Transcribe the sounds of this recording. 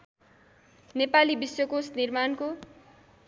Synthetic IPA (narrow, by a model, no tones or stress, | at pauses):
nepalibiswʌkosnirmanko